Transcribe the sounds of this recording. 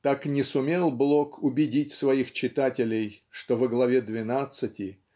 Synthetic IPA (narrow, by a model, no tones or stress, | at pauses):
t̪aknʲɪsʊmʲelˠblˠo̞kʊbʲɪdʲitʲsvɐixt͡ɕɪt̪atʲɪlʲɪjʂt̪ovəɡlˠɐvʲed̪vʲɪnat̪sɨtʲɪ